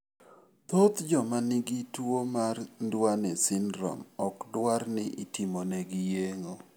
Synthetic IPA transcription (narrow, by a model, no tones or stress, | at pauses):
t̪ot̪d͡ʒɔmanɪɡitwomarndwanɛsɪnɾɔ̰mɔkdwarnɪʔitimoneɡijeŋo